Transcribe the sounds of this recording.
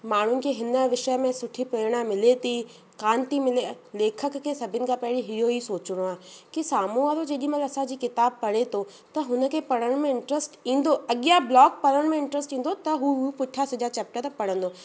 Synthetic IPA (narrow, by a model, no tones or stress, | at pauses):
maːɳ̤ʊnɪ̆keɦɪnəʋɪʃəjmẽsʊʈʰipeːɽ̃amɪlet̪i | kãːnt̪imɪle | leːkʰəkːesɐbʱɪnɪ̆kapɛɦɪɽiɦɪɦoisoːt͡ɕɽ̃oaːkisaːmuaːɾod͡ʑeːɗĩmɐlɐsãd͡ʑiːkɪt̪aːb̚pɐɽ̤et̪ʰo | t̪ɐɦʊnə̆kʰepɐɽəɽ̃mẽɪɳʈɾesʈĩːn̆d̪oɐɠijablɔːk̚pɐɾəɽ̃mẽɪ̃ɳʈɾəsʈĩːnd̪ot̪ɐɦupʊʈʰasɪd͡ʑat͡ɕɛːp̚ʈət̪ɐpɐɽ̤ə̃nd̪oː